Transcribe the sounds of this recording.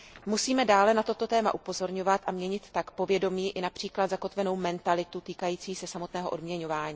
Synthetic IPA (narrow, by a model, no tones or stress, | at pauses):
musiːmɛdaːlɛnat̪o̞t̪o̞t̪ɛːma̰ʔupo̞zo̞ɾɲo̞vat̪ʔamɲɛɲɪt̪ːakpo̞vjɛdo̞miːʔɪnapr̝̥iːklad̪zako̞t̪vɛno̞wmɛnt̪alɪt̪ut̪iːkajiːt͡siːsɛsamo̞t̪nɛːɦoʔo̞dmɲɛɲo̞vaːɲiː